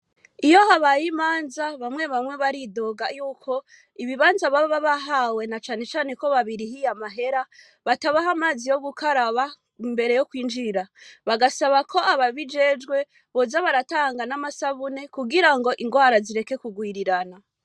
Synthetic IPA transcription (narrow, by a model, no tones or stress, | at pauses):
ijo̞haβajimaːnzaβamwe̞βamŋe̞βaɾido̞ːɡajuːkʰo̞ | iβiβaːnzaβaβaβaɦawe̞nat͡ʃaːne̞t͡ʃaːne̞ko̞βaβiɾihijamaɦe̞ɾa | βataβaɦamaːzijo̞ɡukaɾaβa | imbe̞ɾe̞jo̞kwiːnd͡ʒiɾaβaɡasaβakʰo̞aβaβid͡ʒe̞d͡ʒɡwe̞ | βo̞zaβaɾataːŋɡanamasaβune̞kuɡiɾaŋɡo̞ʔiŋɡwaːɾaziɾe̞ke̞kuɡwiːɾiɾana